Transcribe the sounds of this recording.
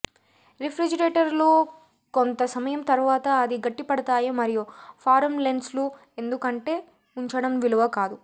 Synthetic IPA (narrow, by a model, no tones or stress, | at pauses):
ɾipʰɾid͡ʒɐɾeːʈɐɾloː | kont̪ɐsɐmɐjɐmt̪ɐɾuʋaːt̪ɐːd̪iɡɐʈːipɐɽɐt̪aːjimɐɾijupʰaːɾɐmlenɖslu | e̞nd̪ukɐɳʈe̞ː | uɲt͡ʃɐɽɐmʋiluʋɐkaːd̪u